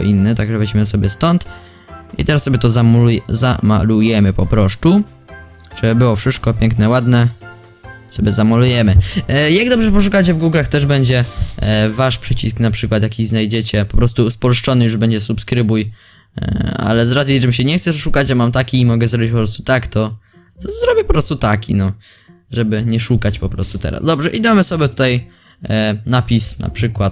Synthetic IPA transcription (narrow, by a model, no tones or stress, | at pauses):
ɔʔinːɛt̪aɡʐɛvɛd͡ʑmɘsɔbʲjɛst̪ɔnt̪ | ḭt̪ɛɾasːɔbʲjɛt̪ɔzamjza̰ma̰lujɛmɘpɔpɾɔʂt̪u | ʐ̥ɛbɘwɔfʂɘst̪kɔpʲjɛ̃ŋknɛwad̪nɛ | sɔbʲjɛzamalujɛmɘjaɡ̚d̪ɔbʐɛp̬ɔʂ̬ukat͡ɕɛvɡuɡlaxt̪ɛʐbɛɲd͡ʑɛ | vaʂpʂɘt͡ɕisknapʂɘkwat̪jakʲiznajd͡ʑet͡ɕɛpɔpɾɔst̪uːspɔlʂt͡ʂɔnɘjuʐbɛɲd͡ʑɛsupskɾɘbuj | a̰lɛzɾazjit͡ʂɛmɕ̬ɛɲɛxt̪sɛʂʂukat͡ɕamamt̪akʲiːmɔɡɛzɾɔbʲit͡ɕpɔpɾɔst̪u̥t̪akt̪ɔ | t̪ɔzɾɔbʲjɛpɔpɾɔst̪ut̪akʲʰḭnɔ | ʐɛbɘɲɛʂukat͡ɕpɔpɾɔ̰st̪ut̪ɛ̰ɾa̰zd̪ɔbʐɛʔid̪ɔmɨsɔbʲɛt̪ut̪aj | napʲisna̰pʂɘkwat̪